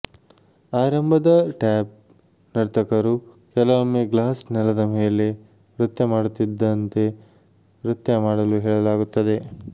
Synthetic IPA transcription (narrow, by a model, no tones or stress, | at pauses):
aːɾɐmbʱɐd̪ɐʈɛːp̚ | nɐɾt̪ʰɐkɐɾu | kɛlɐʋomːeɡlaːsnɛlɐd̪ɐmeːle̞ | ʋɾut̪jɐmaːɽut̪ːid̪ːɐnt̪e̞ | ʋɾut̪jɐmaːɽɐluɦɛːɭɐlaːɡut̪ːɐd̪e̞